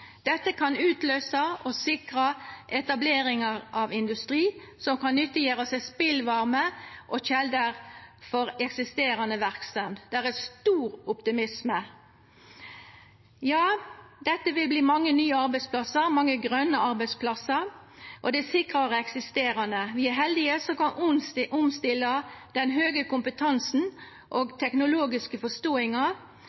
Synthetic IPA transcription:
d̪̥ɛt̪ːəkʰɑnʉːt̪løːsəʔɔsɪkʁɑʔɛt̪ɑbleːʁɪŋɑʁʔɑʋɪnd̪ʉst̪ʁiː | sɔmkɑnnːʏt̪ːɪjøːʁəsæɪspɪlʋɑʁməʔɔçɛld̪əʁfɔɾɛksɪst̪eːʁɑnəʋæʁkst̪ɑnd̪d̪̥æʁæst̪uːʁʊpt̪ɪmɪsmə | jɑːd̪ɛt̪ːəʋɪlbliːmɑŋːənyːəɑʁbæɪspʰlɑsəɾmɑŋːəɡʁœnːəɑɾbæɪspʰlɑsəɾ | ʔɔd̪ɛsɪkʁɑʁəɛksɪst̪eːɾɑnəʋɪæɦɛld̪ɪəsɔkɑnʊʔʊmst̪ɪlːɑd̪̥ɛnɦøːɡəkʊmpət̪ʰɑnsn̩ | ʔoɡt̪ʰɛknʊloːɡɪskəfɔst̪oːɪŋɑ

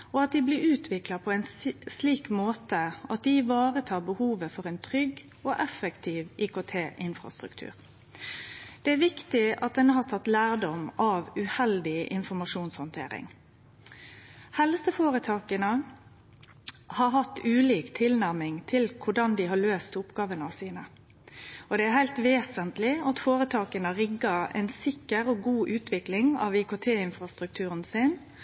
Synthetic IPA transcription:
ɔɑt̪̚d̪ɪblɪɾʉːt̪ʰʋɪklɑpʰɔɛɪnsliːkmoːt̪əɑt̪̚d̪ɪʋɑːʁət̪ʰɑːɾbəhuːʋəfɔʁɛːnt̪ʰʁʏɡ | oːʔɛfːɛkt̪ʰiːʋʔikot̪ʰeːʔɪnfʁɑ̰st̪ɾʉ̰kt̪ʰʉ̰ːʁ | d̪̥ɛæːɾʋɪkt̪ɪʔɑ̰t̪̚d̪ɛnəɦɑt̪ʰɑt̪ːlæːʁd̪ɔmɑʋʉhɛld̪ɪʔɪ̰nfɔmɑʂuːnshɔnt̪ʰḛːɾɪ̰ŋ | hɛlsəfoːɾət̪ʰɑːkənə | hɑɾɦɑt̪ːʉːliːkt̪ʰɪlnæʁmɪŋt̪ʰɪlkʰʊɖɑnd̪ɪɦɑɭøːst̪ʰʊpɡɑːʋənɑsiːnə | ɔd̪ɛæɾhæɪlt̪ʋeːsənt̪lɪɑt̪foːɾət̪ʰɑːkənəɾɪɡəɾɛ̰ɪnsɪkːəɾɔɡuːʔʉːt̪ʰʋɪklɪŋɑ̰ʋɪːkot̪ʰeːɪnfɾɑst̪ʁʉk̚t̪ʰʉːʁənsɪn

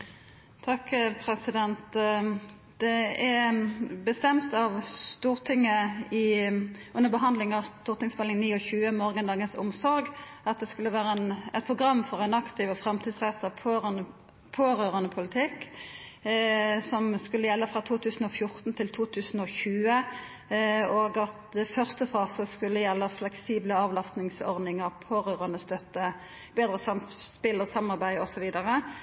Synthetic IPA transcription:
t̪ʰɑkpʰʁɛsɪd̪ɛnt̪ | d̪̥ɛɛ | bəst̪ɛmt̪ɑʋst̪uːʁt̪ʰɪŋːəɪ | ʉnːəʁbəɦɑnd̪lɪŋɑʋst̪uːʁt̪ɪŋsmɛlːɪŋniːɔçʉːəmoːɾɡənɑːɡənsʊmsɔɾɡɑt̪̚d̪ɛskʉlːəʋæːɾəɛnɛɪt̪pʰʁʊɡʁɑmːfɔʁæɪnɑkt̪ʰɪʋɔfɾɛmt̪ʰiːd̪sʁɛsɑpʰːnə | pʰoːʁøːʁənəpʰʊlɪt̪ʰɪkː | sɔmskʉlːəjɛlːəfʁɑːt̪ʰuːt̪ʰʉːsən̩ɔfjʊʁt̪n̩t̪ʰɪlt̪ʰuːt̪ʰʉːsn̩ɔçʉːə | oːɡɑt̪ɛfœʁst̪əfɑːsəskʉlːəjɛlːəflɛksiːbləɑːʋlɑst̪nɪŋsɔ̰ʁd̪ɪŋəʁpʰoːʁøːʁɑnəst̪œt̪ːə | beːd̪ʁəsɑmspɪlɔsɑmːɑʁbæɪɔsɔʋiːd̪ɑʁə

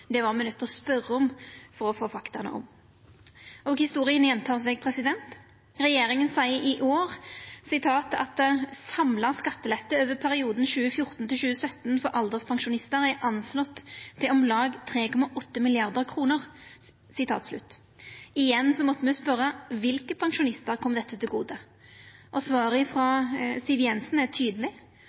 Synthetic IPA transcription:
d̪ɛʋɑʁmɛnœt̪ːɔspœɾːəɔmfɔʁɔfoːfɑkt̪ɑnə̰ʔɔ̰m | ʔɔɡhɪst̪uːʁɪənjɛnt̪ʰɑːʁs̬ɛɡpʰʁɛsɪd̪ɛnt̪ | ʁɛjeːɾɪŋənsɑɪʔɪʔoːʁsɪt̪ʰɑːt̪ɑ̰t̪sɑmlɑskɑt̪ːəlɛt̪ːəøːʋəpʰæɾɪuːd̪n̩ɕʉːəfjʊʁt̪n̩t̪ɪlʃʉːəsœt̪ːnfɔɾʔɑld̪əspʰɑŋʃʊnɪst̪əʁɛʔɑnslɔt̪ʰːɪlɔmlɑːɡt̪ʰʁeːkʰɔmɑʔɔt̪ːəmɪlɪɑʁd̪əʁkʰɾuːnəʁ | sɪt̪ʰɑ̰ːt̪slʉ̰t̪ː | ɪjɛnːsɔmɔt̪ːəmɛspœɾəʋɪlkəpʰɑŋʃʊnɪst̪əɾkʰɔmd̪ɛt̪ʰːət̪ʰɪlɡuːd̪ə | ʔɔsʋɑːɾəfɾɔsɪʋɪɛnsn̩æt̪ʰyːd̪əlɪ

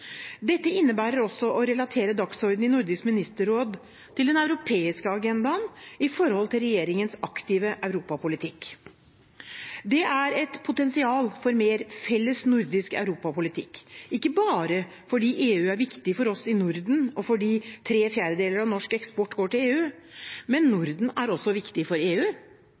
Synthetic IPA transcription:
d̪ɛt̪ːəɪnːəbæːɾəɾɔsːɔʔɔɾɛlɑt̪ʰeːɾəd̪ɑksɔɾd̪n̩ɪnʊɾd̪ɪskmɪnɪst̪əɾoːd̪ | t̪ɪld̪ɛnɑʉɾʊpʰeːɪskəɑɡɛnd̪ɑnɪfɔɾhɔlt̪ɪlɾɛjeːɾɪŋənsɑkt̪ɪːʋəʔœʉɾuːpɑpʰʊlɪt̪ʰɪkː | d̪ɛæɾɛt̪pʰʊt̪ɛnsɪɑːlfɔɾmeːɾfɛlːəsnʊɾd̪ɪskœ̰ʉɾuːpɑpʊlɪt̪ʰɪ̰kːɪkːəbɑːɾə | fɔɖiːʔeːʉːæɾʋɪkt̪ɪfɔɾɔsɪnʊɾd̪n̩ɔfɔɖiːt̪ʰɾeːfjæːɾəd̪eːləɾɑʋnɔʂkɛkspɔʈːɡoːʈɪleːʉː | mɛnːʊɾd̪n̩æɾɔsːɔʋɪkt̪ɪfɔɾeːʉː

